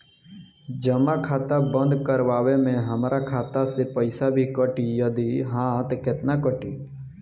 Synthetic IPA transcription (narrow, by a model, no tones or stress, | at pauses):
d͡ʒəmakʰaːt̪abə̃nd̪kəɾʋaːʋemẽɦəmɾakʰaːt̪asepəɪsabʱikəʈijəd̪iɦãːt̪kɪt̪nakəʈiː